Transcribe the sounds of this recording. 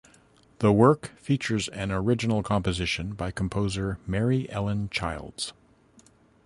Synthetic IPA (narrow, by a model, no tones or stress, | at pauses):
ðəwɜ˞kfit͡ʃə˞zɨ̃nə˞ɪd͡ʒɨnl̩ˠkʰɑ̃mpɨzɪʃɨ̃nbaɪkʰm̩pʰoʊzə˞mɛɹiʔɛlˠə̃nt͡ʃʰaɪlˠdz̥